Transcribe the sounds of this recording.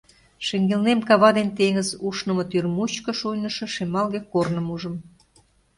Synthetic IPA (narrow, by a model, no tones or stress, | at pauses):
ʃĕŋɡelnemkɑβɑd̪ent̪eŋəzuʃnə̆mɤ̆t̪yrmut͡ɕkə̆ʃujnə̆ʃɤ̆ʃemɑlɣekornə̆muʒə̆m